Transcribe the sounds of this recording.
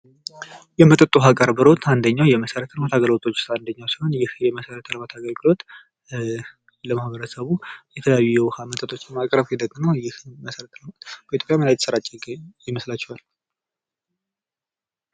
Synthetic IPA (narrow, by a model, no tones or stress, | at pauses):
jɛmət̪ʼət̪ʼːuɦakʼəɾbɨɾo̞t̪ʰand̪əɲːawjɛməsəɾət̪ʰələmat̪ʰaɡəlwot̪ʼo̞t͡ʃːsand̪əɲːawsiho̞njɪhjɛməsəɾət̪ʰələmat̪ʰaɡəlɡɨlo̞t̪ | ləmahbəɾəsəβujɛt̪ʰələjajujɛwhamət̪ʼət̪ʼo̞t͡ʃːmakʼɾəβjɛd̪əkʼːɨnəwjɪhməsəɾət̪ʰləmb̥əʔit̪ʰjopʼjaməlajɛt̪səɾat͡ʃʼɛɡjɪməslat͡ʃːɛhal